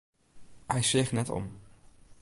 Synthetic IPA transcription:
hɛjseːχnɛtɔ̰m

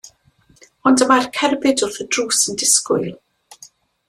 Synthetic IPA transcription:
ɔndəmarkʰɛrbɪdʊrθədruːsəndɪskʊjlˠ

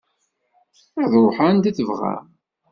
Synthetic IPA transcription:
ɪðˤɾoħand̪iθəvʁæ̰

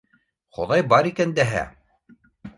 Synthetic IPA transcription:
χo̰ðɑjbɑɾikænd̪æɦæ̰

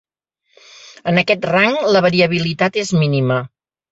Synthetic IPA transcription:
ənəkɛt̪raŋləβəɾiəβ̞ilit̪at̪ezminimə

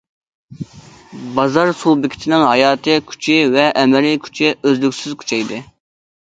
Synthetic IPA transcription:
bɑzɑɾsulˠbɪkʲʰi̥t̪ʰɪnɪŋɦɑjɑːt̪ʰɨkʲʰy̥t͡ʃʰɪvɛʔɛmɛlikʲʰy̥t͡ʃʰɪøzlykʲsyzkʲʰy̥t͡ʃʰɛjd̪ɨ

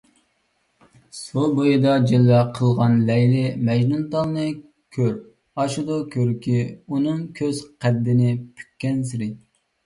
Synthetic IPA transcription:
subojid̪ɑd͡ʒelːɛqʰəlˠʁɑnlɛjlɪmɛd͡ʒnunt̪ɑlˠnɨ | kʲʰøɾ | ɑʃud̪ukʲʰøɾkʲʰiunɨŋkʲʰøz̥qʰæd̪ːɪnɪpʰy̥kʲʰːɛnsɪɾɪ

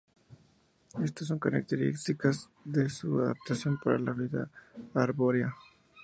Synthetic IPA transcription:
est̪osõŋkɐnḛk̚t̪eɾḛksikas | d̪esuaða̰p̚t̪asjõnpaɾa̰lalid̪a̰ːɾboɾja

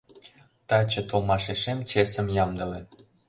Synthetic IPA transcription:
t̪ɑt͡ɕɤ̆t̪olmɑʃeʃemt͡ɕesə̆mjɑmd̪ə̆lĕ

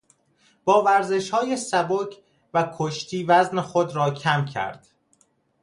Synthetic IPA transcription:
b̥ɒːvæɾze̞ʃhɒːje̞sæbocʰ | vækʰoʃt̪ʰiːvæznexod̪ɾɒːcʰæmcʰæ̰ɾd̪̥

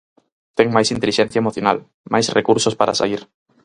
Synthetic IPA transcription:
t̪ɛŋmajsint̪eliʃɛn̟θjaemoθjona̰l | majsrekuɾsospaɾa̰sa̰ɣiɾ

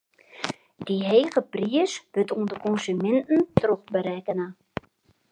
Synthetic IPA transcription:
d̥iɦejχəpriəsʋɵtundəkɔnsymɛntəntroχbəɾɛkəna

